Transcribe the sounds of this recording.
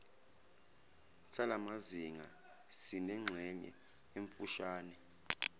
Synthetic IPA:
salamaziŋa | sinɛŋ͡ǁʱɛɲɛ̰ | eɱfuʃaːnɛ

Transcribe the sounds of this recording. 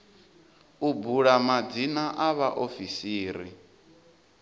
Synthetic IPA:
ubuɺamad͡zinaʔaβaʔofisiːɾi

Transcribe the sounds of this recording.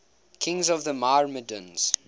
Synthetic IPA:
kʰɪ̃ŋzɔvðəmaɹmədə̃nz̥

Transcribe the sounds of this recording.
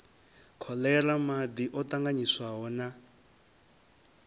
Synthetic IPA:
kʰɔlɛramad̪iʔɔt̪aŋɡaɲiswaɦɔna

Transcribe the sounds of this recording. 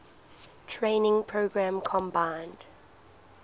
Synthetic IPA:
tʰɹẽɪnɪ̃ŋpʰɹoɡɹãmkʰɔ̃mbãɪ̃nd̥

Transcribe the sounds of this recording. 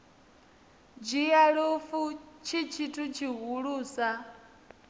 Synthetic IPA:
d͡ʒijaɺofut͡ʃʰit͡ʃʰitʰut͡ʃʰiɦuɺuːsa

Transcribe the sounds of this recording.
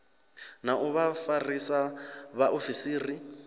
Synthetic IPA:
naʔuβafarisaβaʔofisiːri

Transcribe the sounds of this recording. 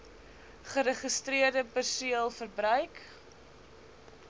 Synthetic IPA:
χəɾəχəstriərdəpərsuəəlˠfərbrœɥk

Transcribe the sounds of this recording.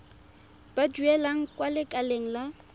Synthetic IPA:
b̥ad͡ʒuɛlaŋ̩kʼwalɪkʼaleŋ̩la

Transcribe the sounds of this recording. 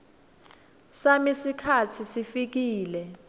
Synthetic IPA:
samisikʰatʰisifik̬iːlɛ

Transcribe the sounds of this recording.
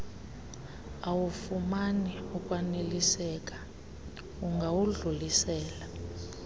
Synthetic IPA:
awufumaniukʼwanelisɛk̬ʼḁ | uŋɡʱawuɮulisɛːla

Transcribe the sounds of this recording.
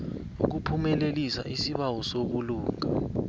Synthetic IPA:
ṵk̬upʰumɛlelisa̰ʔisiɓawɔsoɓuluːŋa

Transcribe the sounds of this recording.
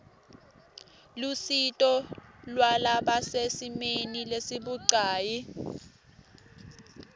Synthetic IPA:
lusitʼɔlwalaɓasesimenilesiɓuǀaːji

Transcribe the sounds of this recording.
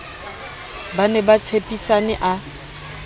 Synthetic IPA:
banɛbat͡sʰepʼisanɛʔa

